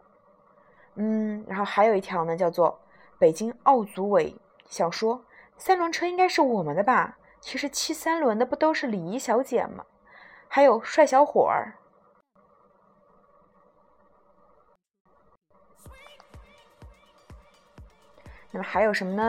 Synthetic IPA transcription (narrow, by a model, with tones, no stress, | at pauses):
n̩˥˩ɻa̰˧˥nxo˥˩ʊxa˧˥ɪjo˨˩ʊi˥˩t̪ʰjɑ˧˥ʊnə˧t͡ɕjɑ˥˧ʊt͡swɔ˥˩ | pe˨˩ɪt͡ɕi˥ŋɑ˥˩ʊt͡su˧˥we˧˥ɪ | ɕjɑ˨˩ʊʂwɔ˥ | sa˥nlwə˧˥nʈ͡ʂʰɤ˥i˥ŋka˥ɪʂɻ̩˥˩wɔ˨˩mə˦d̪ə˧bɐ˧ | t͡ɕʰi˧˥ʂɻ̩˧˥t͡ɕʰi˥sa˥nlwə˧˥nd̪ə˧pu˥˩t̪o˥ʊʂɻ̩˥˩li˨˩i˧˥ɕjɑ˧˥ʊt͡ɕjɛ̰˨˩nmɐ̰˦ | xa˧˥ɪjo˨˩ʊʂwa˥˩ɪɕjɑ˧˥ʊxwɔ̰˨˩ə̰˞˧˥ | na˥˩mə˩xa˧˥ɪjo˨˩ʊʂə˧˥nmə˧nə˧˨